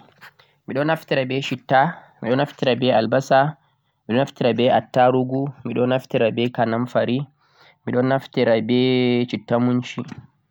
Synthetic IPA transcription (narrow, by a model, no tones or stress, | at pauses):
miɗɔnaftiɾabɛʃitːamiɗɔnaftiɾabɛalbasa | miɗɔnaftiɾabɛatːaɾuɡumiɗɔnaftiɾabɛkanamfaɾi | miɗɔnaftiɾabɛt͡ʃitːamunʃi